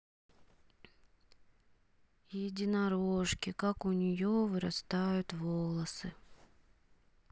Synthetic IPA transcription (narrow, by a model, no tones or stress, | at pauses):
jɪdʲɪnɐɾoʂkʲɪkakʊnʲɪjovɨɾɐst̪ajʊt̪volˠəsɨ